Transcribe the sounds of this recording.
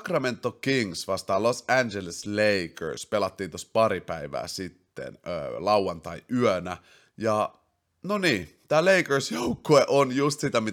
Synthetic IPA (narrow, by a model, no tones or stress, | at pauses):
krɑment̪ːokiŋsʋɑst̪ɑːlosænd͡ʒelesleikə̰ɹspelɑt̪ːiːnt̪ospɑɾipæiʋæ̰ːsit̪ːḛnø̰ːlɑwwɑnt̪ɑiʔyœnæ | jɑ | noniːt̪æːleikərsjoukːoeʔonjust̪sit̪æmi